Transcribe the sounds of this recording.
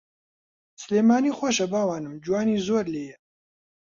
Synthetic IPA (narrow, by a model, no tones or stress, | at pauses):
sɨleːmaːniːxʷɔʃɐbaːwaːnɨmd͡ʒuwaːniːzoːɾleːjɛ